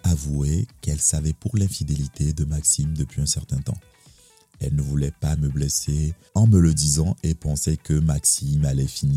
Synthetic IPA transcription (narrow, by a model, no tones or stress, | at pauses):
avuekɛlsavɛpuʁlɛ̃fid̪elit̪ʰed̪əmaksimd̪əpɥiɛ̃sɛʁt̪ɛ̃t̪ɑ̰̃ | ɛlnəvulɛpaməblese | ɑ̃mələd̪izɑ̃epɑ̃sɛkəmaksimalɛfini